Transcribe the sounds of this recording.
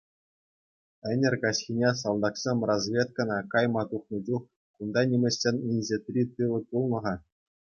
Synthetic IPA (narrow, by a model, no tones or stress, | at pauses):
ɘ̆nʲɘ̆rʲkɑɕxʲinʲes̬ɑlˠd̪ɑksʲemʲrozvʲet̪̚kɑnɑkɑjmɑt̪uχnɤ̆d͡ʑuχ | und̪ɑnʲimʲɘ̆ɕʲːenʲinʲzʲet̪ʲrʲit̪ɯʋɤ̆pulˠnɤ̆ʁɑ